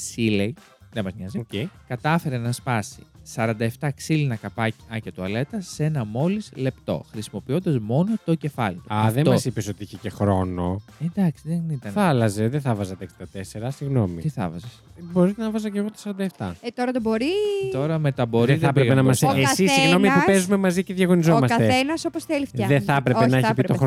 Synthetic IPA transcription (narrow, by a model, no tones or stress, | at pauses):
silej | ðemɐzmɲɐziocejkɐt̪ɐfe̞ɾenɐspɐsi̥sɐɾɐnd̪ɐeft̪ɐksilinɐkɐpɐɐcɐt̪uɐle̞t̪ɐse̞nɐmo̞lizle̞pt̪o̞̰xɾisimo̞pio̞nd̪ɐzmo̞not̪o̞ce̞fɐlit̪uɐðetomɐsipeso̞t̪iiçecexɾo̞noed̪ɐksiðenit̪ɐnθɐlɐzeðeθɐvɐzɐt̪ekst̪ɐt̪e̞se̞ɾɐsiɣno̞mḭt̪iθɐ̰vɐzes | bo̞ɾit̪enɐvɐzɐceɣot̪o̥sɐɾɐnd̪ɐeft̪ɐ̰t̪oɾɐt̪obo̞ɾit̪o̞ɾɐmet̪ɐbo̞ɾeðɐpɾepenɐmɐsesissiɣno̞nmipipezume̞mɐziceðʝɐɣo̞nizo̞mɐsɐt̪eenɐsoposθelifɐðeθɐpɾe̞penɐeçipit̪oɾ